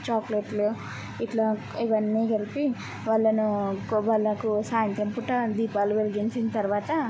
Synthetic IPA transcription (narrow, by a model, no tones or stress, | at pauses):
t͡ʃaːkleʈlo | iʈlaː | iʋɐnːiːɡɐlipi | ʋaːɭːɐnuʋaːɭːɐkusaːjɐnt̪ɐmpuʈɐd̪iːpaːluʋeliɡint͡ʃint̪ɐɾʋaːt̪ɐ